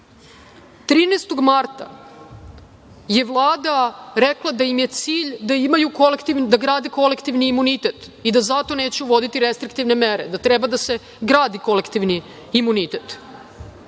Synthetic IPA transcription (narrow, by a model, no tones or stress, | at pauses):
t̪ɾiːnest̪o̞ɡmaɾt̪a̰ | je̞ʋlˠaːd̪aɾeklˠad̪ajimje̞t̪siːʎd̪aimajukolekt̪iʋd̪aɡɾaːd̪eko̞lekt̪iʋniːmunit̪et̪ | id̪azat̪o̞neːt͡ɕeuʋo̞d̪it̪iɾest̪ɾik̚t̪iʋne̞meɾḛd̪at̪ɾɛbad̪ase | ɡɾaːd̪iko̞lekt̪iʋniː | munit̪et̪